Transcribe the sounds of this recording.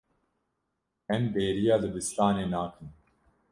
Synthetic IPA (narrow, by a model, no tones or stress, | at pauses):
ɛmbeːɾijɑːlɨbɨsɾaːneːnaːkʰɨn